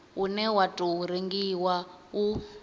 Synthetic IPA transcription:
unɛwatʼuuɾeŋɡiwau

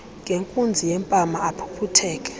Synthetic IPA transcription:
ŋɡʱeŋkʼund͡zʱijɛmpʼamaːpʰu̥pʰutʰɛːkʼɛ̥

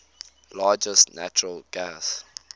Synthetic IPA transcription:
lɑːd͡ʒəstnat͡ʃəɹəlɡ̥as

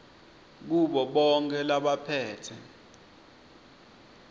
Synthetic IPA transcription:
k̬uɓɔɓɔŋk̬ʰʼɛlaɓapʰɛːtʰɛ

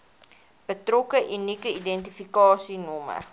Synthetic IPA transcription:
b̥ətrɔkəʔynikəidɛntifikɑːsinɔmə̰

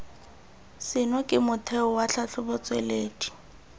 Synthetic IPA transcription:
sɪnɔkʼɪmʊtʰɛʊwaɬʰaɬʰʊbʊt͡sʼweleːdi̥

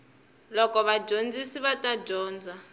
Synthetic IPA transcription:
lɔkɔβad͡ʒʱond͡zisiβatad͡ʒɔːnd͡za

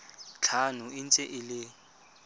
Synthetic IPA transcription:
t͡ɬʰanʊɪn̩t͡sʼɛʔɪlɪ

